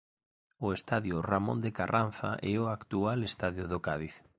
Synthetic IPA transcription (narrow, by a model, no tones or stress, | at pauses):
ʊest̪aðjʊramõ̰nd̪ekarʔan̟θa̰ʔɛoakt̪ualest̪aðjʊðokaðiθ